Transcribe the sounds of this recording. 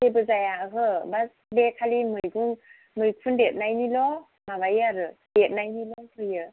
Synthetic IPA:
ebɯzajaɦɯbas | bekʰalimɯjɡuŋ | mɯjkʰundet̚najnilɔ | maβajaɾɯ | det̚najnilɔhʰɯjɯ

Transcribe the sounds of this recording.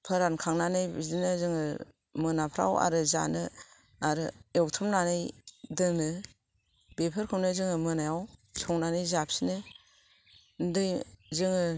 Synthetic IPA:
pʰɯɾankʰaŋnanɯjbizinɯzɯŋɯ | mɯnapʰɾa̰wa̰ɾɯza̰nɯ | aɾɯewtʰɯmnanɯjdɯnɯ | bepʰɯɾkʰɯwnɯzɯŋɯmɯnajawsʰɔŋnanɯjzap̚sinɯ | ndɯjzɯŋɯ

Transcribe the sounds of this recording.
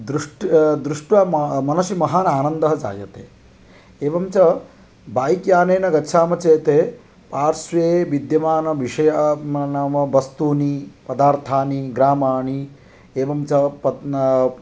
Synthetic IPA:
d̪ɾuʂʈd̪ɾuʂʈʋamɐnɐʃimɐɦaːnaːnɐnd̪ɐɦɐd͡ʒa̰ːjɐt̪eː | eːʋɐmt͡ʃɐ | baːjikjaːneːnɐɡɐtːʃʰaːmɐt͡ʃeːt̪eː | paːɾsʋeːʋid̪jɐmaːnɐʋiʂɐjɐnamɐbɐst̪uːnipɐd̪aːɾt̪ʰaːniɡɾaːmaːɳi | eːʋɐmt͡ʃɐpɐ

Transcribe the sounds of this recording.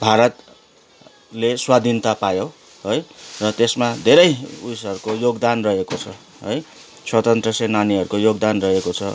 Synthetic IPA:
bʱaɾʌt̪ | leswad̪ʱint̪apajo | ɦʌjrʌt̪esmad̪ʱeɾʌjujsʌrukojoɡd̪anrʌɦekot͡sʰʌ | ɦoj | sʰwʌt̪ʌnt̪rʌsenaniɦʌɾukojoɡd̪anrʌɦekot͡sʰʌ̰

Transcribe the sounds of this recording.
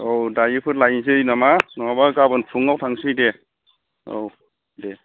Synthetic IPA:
owdajɯpʰɯɾlajnsɯjnamanɔabakabɯnpʰuŋawtʰaŋsɯjde | o̰w | de

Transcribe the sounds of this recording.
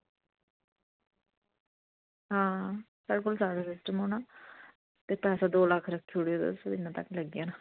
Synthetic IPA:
ɦãː | sɛːɽk̬ʊlsaːɽaːsɪsʈəmɦoːnaː | t̪eːpɛːsãːd̪oːləkʰɾəkʰːoɽeod̪ə̰sod̪ɪnːãːt̪ə̰kːləɡjãːna

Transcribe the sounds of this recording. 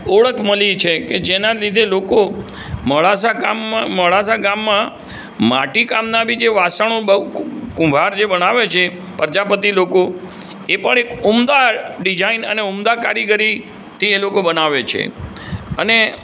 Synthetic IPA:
oɭəkʰməlit͡ʃʰeked͡ʒenalid̪ʱeloko | məɭasakamːãməɭasaɡamːã | maʈikamnabʱid͡ʒeʋasãõ | kʊ̃mbʱaɾd͡ʒebənaʋet͡ʃʰe | pəɾd͡ʒapət̪iloko | epəɳ̃ekumd̪aɖid͡ʒainə̰neumd̪akaɾjəɡəɾi | t̪ʰielokobənaʋet͡ʃʰḛ | ə̰ne

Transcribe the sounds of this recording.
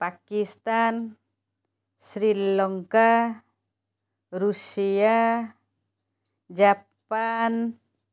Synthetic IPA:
pakist̪an | sɾilɔŋka | ɾusia | d͡ʒapan

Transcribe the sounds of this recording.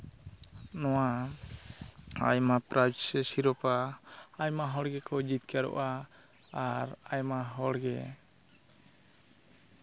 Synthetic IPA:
nɔwa | a̰jmapɾad͡ʒsɛsiɾɔpaːjmaɦɔɽɡɛkɔd͡ʒit̪̚kaɾɔ̰ʔaː | ɾajmaɦɔɽɡɛ

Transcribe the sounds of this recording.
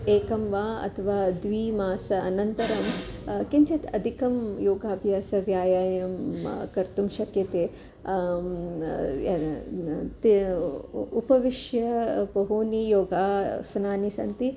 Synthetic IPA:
eːkɐmʋaːɐ̰t̪ʰɐʋaːd̪ʋiːmaːsɐɐnɐnt̪ɐɾɐmkiɲt͡ʃit̪ɐd̪ʱikɐmjoːɡaːbʱjaːsɐʋjaːjaːjɐmkɐɾt̪umʃɐkjɐt̪eː | t̪i | upɐʋiʃjɐbɐɦuːnijoːɡaːsnaːnisɐ̰nt̪i

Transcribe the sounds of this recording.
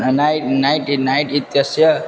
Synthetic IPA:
najnajʈinajʈit̪jasjʌ

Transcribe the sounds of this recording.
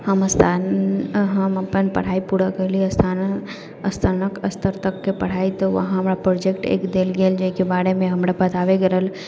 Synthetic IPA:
həməst̪ʰa | ɦəməpənpə̰ɽ̤aipuɽəɡəliəst̪ʰan | əst̪ʰənəkəst̪əɾt̪əkːepəɽ̤ait̪ɔʋə̰ɦãɦɦəmɾapɾod͡ʒekʈḛkd̪elɡeld͡ʒeikebaɽemẽɦəmɾapət̪aʋeɡeɾɦəl

